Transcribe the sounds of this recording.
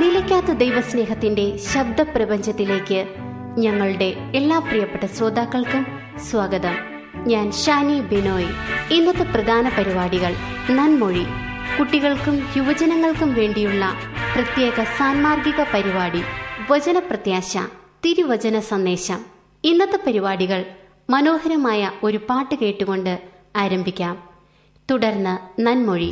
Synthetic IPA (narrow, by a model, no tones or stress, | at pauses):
nilɐkʲːaːt̪ːɐd̪ejʋɐsne̞ːɦɐt̪ːinde̞ɕɐb̚d̪ʱɐprɐbɐɲd͡ʑɐt̪ːile̞ːkːɨ | ɲɐŋːɐɭuɽe̞ | elːaːprijɐpːeʈːɐsroːd̪ʱaːkːɐɭkum | swaɡɐðɐm | ɲaːnɕaːnibenoːjinːɐt̪ːɨprɐd̪ʱaːnɐpɐɾibaːɽiɣɐɭ | nɐnmoɻi | kuʈːiɣɐɭkumjuʋɐd͡ʑɐnɐŋːɐɭkumʋe̞ːɳɖijuɭːɐ | prɐt̪je̞ːɣɐsaːnmaːrɡiɣɐpɐɾibaːɽiʋɐd͡ʑɐnɐprɐt̪jaːɕɐ̰t̪iɾuʋɐd͡ʑɐnɐsɐnd̪e̞ːɕɐm | inːɐt̪ːɐpɐɾibaːɽiɣɐɭ | mɐno̞ːhɐɾɐmaːjɐo̞ɾupaːʈːɨke̞ːʈːuɣo̞ɳɖɨ | aːɾɐmbʱikʲːaːm | t̪uɽɐrnːɨnɐnmoɻi